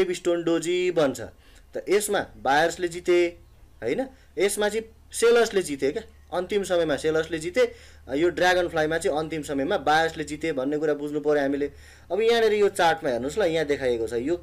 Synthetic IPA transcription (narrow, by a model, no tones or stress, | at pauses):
ebisʈoɳɖod͡zibʌnt͡sʰʌ̰ | t̪ʌʔesmabajʌrsled͡zit̪e | ɦʌjnʌ | esmat͡sʌĩ | selʌrsled͡zit̪eke | ʌnt̪imsʌmʌjmaselʌrsled͡zit̪e | joɖraɡʌnpʰlajmat͡sʌĩʌnt̪imsʌmʌjmabajʌrsled͡zit̪ebʱʌnːekuɾabud͡zʱnupʌɾjõɦamile | ʌbʌjãneɾʌjot͡sarʈmaɦernuslʌjãd̪ekʰajekot͡sʰʌjo